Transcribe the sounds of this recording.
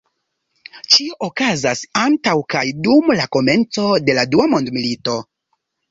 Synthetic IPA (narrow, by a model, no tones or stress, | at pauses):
t͡ʃio̞ʔokazasantawkajdumlako̞me̞nt͡so̞de̞laduamo̞ndmilito̞